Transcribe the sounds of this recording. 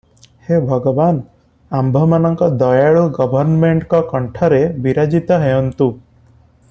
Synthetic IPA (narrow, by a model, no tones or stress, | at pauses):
hebʱʌɡɔban | ambʱɔmanʌŋkɔd̪ɔjaɭuɡɔbʱʌɾnmeɳʈkɔkɔɳʈʰaɾebiɾad͡ʒit̪ɔɦejɔnt̪u